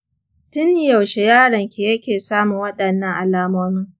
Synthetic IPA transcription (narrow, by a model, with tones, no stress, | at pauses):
tʊ˦nːɪ˨jɐ˨wʃe˨jaː˦ɽɐ˨ŋkʲi˨jɐ˦kʲeː˨saː˦mu˨ŋwɐ˦ɗɐ˨nːɐ˦ŋʔa˨laː˦moː˦mɪ˦ŋ